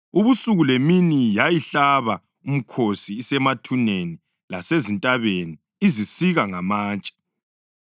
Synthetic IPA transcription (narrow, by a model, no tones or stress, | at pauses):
uβusuɣuleminijajiɬaβa | um̩kʰosiːsɛmatʰuneni | lasezintʼaβeni | izisiɣaŋamaːnt͡ʃʼḁ